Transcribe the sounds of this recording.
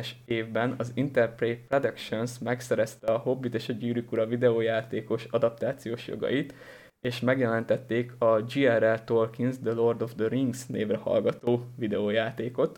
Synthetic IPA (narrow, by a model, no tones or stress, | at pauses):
ɛʃeːvbɛnɒzint̪ɛrpreːprɛd̪ɛkʃonsmɛksɛɾɛst̪ɛɒɦo̞bːit̪eːʃɒɟyːɾykuɾɒvid̪ɛoːjaːt̪eːko̞ʃɒd̪ɒpt̪aːt̪sijoːʃjo̰ɡɒ̰jit̪ | eːʃmɛɡjɛlɛnt̪ɛt̪ːeːkɒd͡ʒiɛɾɛlt̪o̞rkinzd̪əlo̞rd̪o̞vd̪øɾiŋɡsnḛːvrɛhɒ̰lɡɒt̪oːvid̪ɛoːjaːt̪eːko̞t̪